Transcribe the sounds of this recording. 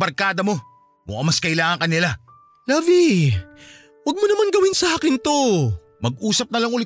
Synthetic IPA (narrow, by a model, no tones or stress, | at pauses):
bɐɾkaːd̪ɐmo̞ | mʊ̰ʔɐmɐskɐɪlaːŋɐŋkɐnɪla | lɐːvi | wɐɡ̚monɐmanɡɐwɪnsɐʔaːkɪnt̪o̞ | mɐɡ̚ʔuːsɐp̚nɐlaɐŋʊlɪ